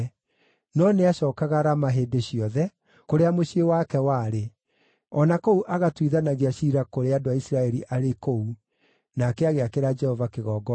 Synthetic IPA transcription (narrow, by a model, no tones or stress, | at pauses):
nɔneaɕɔːkaɣaɾamaɦeːdeɕiɔðɛ | koɾeamoɕiewakɛwaːɾe | ɔnakouʔaɣatwiðanaɣeaɕiɾakoɾeadoaisɾaɛɾiʔaɾekou | nakɛaɣeakeɾad͡ʒɛhɔvakeɣɔːɡɔ